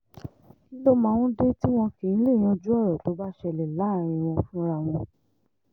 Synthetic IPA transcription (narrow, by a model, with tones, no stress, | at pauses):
i˦lo˦mã˧˦˨w̃ɔ̃˦de˦ti˦w̃ɔ̃˧ke˨ñ̩˦le˦˨j̃ã˧d͡ʒu˦ɔ˦˨ɾɔ˨to˨˦ba˦ʃɛ˧˨lɛ˨la˨˦˨ɾ̃ĩ˧w̃ɔ̃˧fũ˦ɾa˧w̃ɔ̃˧